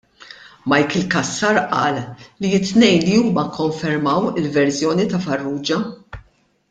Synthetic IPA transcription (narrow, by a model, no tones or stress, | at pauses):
mɐjkɪlkɐsːɐːɾʔɐ̰ːlːiɪt̪ːnɛjnliuːmɐkʰːɔɱfɛɾmɐwɪlvɛɾsjɔːnit̪ɐfɐrːuːd͡ʒɐ